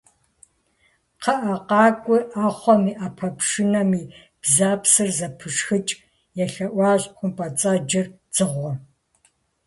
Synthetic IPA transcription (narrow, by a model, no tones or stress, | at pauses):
qʰɐʔɐqɑːkʷʼʊʔaːχʷɔmiːʔapʰɐpʂɪnɐmiː | b̥zaːpsɨrzɐpʰɨʂxɨt͡ʃʼ | jɛɬɐʔʷɑːɕʼqʷʊmpʼɐt͡sʼaːd͡ʒɪr | d͡z̥ɨʁʷɔ